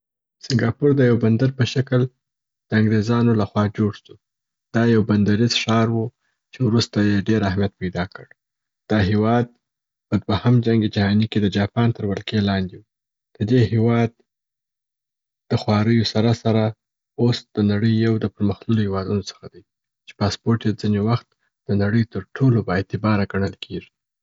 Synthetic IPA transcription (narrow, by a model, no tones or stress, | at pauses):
sɪŋɡɑpuɾd̪əjawband̪aɾpəʃakəl | d̪̥əaŋɡɾezɑnolaxwɑd͡ʒoɽʃu | d̪̥ɑjawband̪aɾizʃɑɾwu | t͡ʃewɾust̪ajeɖeɾahmijat̪̚pajd̪ɑkəɽ | d̪̥ɑɦewɑd̪̚ | pəd̪wahamd͡ʒaŋɡed͡ʒahɑniked̪əd͡ʒɑpɑnt̪əɾwalkelɑnd̪ewu | d̪̥əd̪ehewɑd̪ | d̪̥əxwɑɾəjosaɾasaɾa | osd̪̥ənaɽəjːawd̪əpəɾməxlulohewɑd̪unot͡sə̥xad̪aj | t͡ʃe̥pɑspoɾʈjed͡zinewaxt̪ | d̪̥ənaɽəjt̪əɾʈʰolobaet̪ɪbɑɾaɡaɳ̃əlkʰeʐi̥